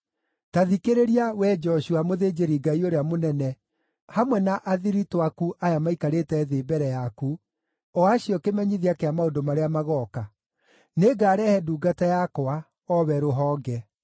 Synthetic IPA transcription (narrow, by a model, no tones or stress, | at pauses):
taðikeɾeɾiawɛd͡ʒɔʃuamoðed͡ʒeɾiɡaioɾeamonɛnɛ | hamwɛnaʔaðiɾitwakuʔajamaikaɾetɛðeːbɛɾɛjaku | ɔaɕjɔkemɛɲiðiakeamaodomaɾeamaɣɔːka | neɡaːɾɛhɛduːɡatajakoa | ɔβɛɾoɦɔːɡɛ